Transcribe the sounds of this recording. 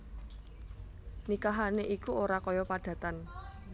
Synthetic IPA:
nikaɦaneʔikuoɾakɔjɔpaɖ̥ä̤t̪an

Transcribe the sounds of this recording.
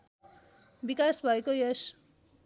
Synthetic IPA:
bikasbʱʌekojʌs

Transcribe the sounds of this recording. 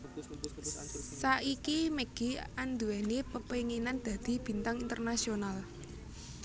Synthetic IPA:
saʔikimeɡ̥iand̪uɛnepəpeŋenand̪̥a̤d̪̥i̤b̥i̤nt̪aŋint̪ərnasional

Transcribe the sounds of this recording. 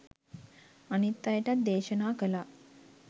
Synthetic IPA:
anit̪ːajəʈat̪̚d̪eːʃənaːkəla

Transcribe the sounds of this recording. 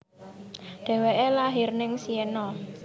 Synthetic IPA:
ɖ̪̥ɛ̤weʔelaɦɪrnɪŋsienɔ

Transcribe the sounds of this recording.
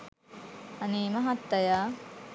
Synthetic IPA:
ɐniːmɐɦɐt̪ːɐjaː

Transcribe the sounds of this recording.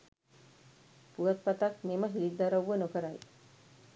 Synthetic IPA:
puɐt̪̚pɐt̪ɐkmeməɦiːd̪ɐɾəʋːənokəɾaj

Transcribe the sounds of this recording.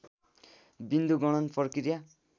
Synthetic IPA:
bind̪uɡʌɽ̃ʌnpʌrkiɾja

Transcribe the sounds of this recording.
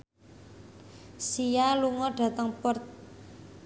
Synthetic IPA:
sijaluŋɔɖ̥ä̤t̪əŋpɔrt̪

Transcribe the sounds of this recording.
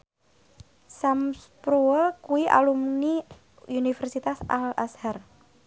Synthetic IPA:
samspɾuəkuwiʔa̰lumni | unifɛrsit̪asa̰la̰shar

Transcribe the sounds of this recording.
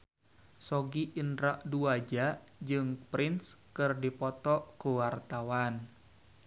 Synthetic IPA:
sɔɡiʔinɾaʔduad͡ʒad͡ʒɨŋpɾinskɨrdipɔt̪ɔkuwart̪awan

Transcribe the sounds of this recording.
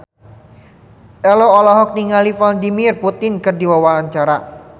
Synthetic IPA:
ʔɛloɔlɔɦɔk̚niŋalifaladimɪrput̪ɪnkɨrdiwawaaɲt͡ʃaɾa

